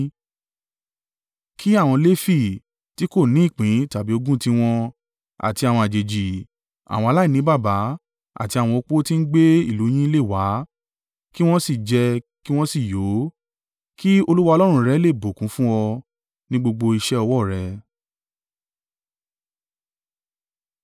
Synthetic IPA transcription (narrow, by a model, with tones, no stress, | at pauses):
kʰi˦a˦˨w̃ɔ̃˧le˦fi˦˨ | ti˨˦ko˦˨nĩ˨˦i˦˨k͡pĩ˨˦ta˨bi˨˦o˧ɡũ˦ti˦w̃ɔ̃˧ | a̰˨ti˧a˨w̃ɔ̃˧a˨d͡ʒe˨d͡ʒi˨ | a̰˨w̃ɔ̃˧a˧la˦i˦˨nĩ˨˦ba˦˨ba˨˦ | a̰˦˨ti˧a˨w̃ɔ̃˧o˧k͡po˦ti˦n̩˦ɡ͡be˦i˦˨lu˨˦j̃ĩ˦le˦˨wa˨˦ | ki˦w̃ɔ̃˦si˦˨d͡ʒɛ˧ki˦w̃ɔ̃˦si˦˨jo˨˦ | ki˦o˧lu˦wa˦ɔ˧lɔ˦ɾ̃ũ˧ɾɛ˦le˦˨bo˨kũ˨˦fũ˦wɔ˧ | nĩ˦ɡ͡bo˧ɡ͡bo˧i˧ʃɛ˦ɔ˧wɔ˦˨ɾɛ˧